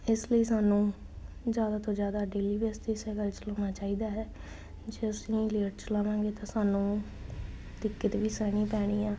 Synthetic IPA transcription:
ɪsləiːsaːnũː | zjaːd̪aːt̪õːd͡ʒjaːd̪aːɖeːliːʋeːst̪isɛːkəlt͡ʃloːnaːt͡ʃaːiːd̪aːɦɛː | d͡ʒeːəsĩːleːʈt͡ʃlaːʋãːŋɡeːt̪ãːsaːnũː | d̪ɪkːət̪ʋiːsɛːɽ̃iːpɛːɽ̃iːaː

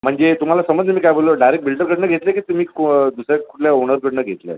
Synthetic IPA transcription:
m̤əɳd͡zet̪um̤alasəməd͡znəmiːkajboloɖajɾek̚bilʈəɾkəɽnəɡʱet̪lekiːt̪umiːkd̪usɾaku̥ʈʰljaoɽ̃əɾkəɽnəɡʱet̪lḛ

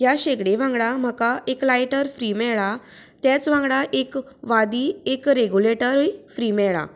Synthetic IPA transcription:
jaɕeɡɽeʋãŋɡɽam̤əkaeklajʈəɾfɾimɛɭa | t̪jat͡sʋãŋɡɽaʔek | ʋad̪iːekɾeɡuleʈəɾfɾimɛɭa̰

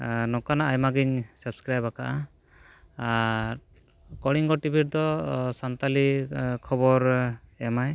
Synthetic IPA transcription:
nɔkanaʔajmaɡiɲsɔbskɾajbakaʔa | ɾ | kɔɽiŋɡɔʈibʱiɾd̪ɔsant̪alikʰɔbɔɾɛmaj

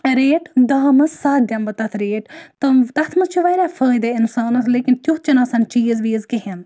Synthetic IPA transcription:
ɾeːʈd̪aːmɐssaːt̪d̪ʲjɐmbɐt̪ɐt̪ʰɾeːʈt̪ɨt̪ɐt̪ʰmɐt͡ʃʰuʋɐɾʲafɐːjd̪ɐinsaːnɐt̪ʰleːkint̪ʲjuɦt͡ʃɐnɐsɐnt͡ʃiːzʋiːzkiɦind̪

